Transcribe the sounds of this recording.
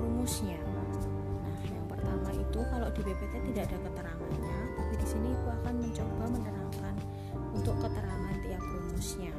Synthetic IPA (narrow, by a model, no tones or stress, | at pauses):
lumusɲa | nahjaŋpərt̪amait̪ukaloʔdibebet̪et̪idaːdakət̪əɾaŋanɲat̪apidisiniːt̪uakanməɲt͡ʃobamənənaŋkan | unt̪ʊkːət̪əɾaŋant̪iaplumʊsɲa